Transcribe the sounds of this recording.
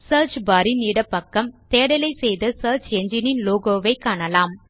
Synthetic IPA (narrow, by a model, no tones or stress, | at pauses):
sɐːɾt͡ʃbɐɾiniːɽɐpːɐkːɐmt̪eːɽɐlɐɪsɛjðɐsɐːɾt͡ʃɛɲd͡ʒɪnɪnloːɡoːʋɐɪkːaːɳɐlaːm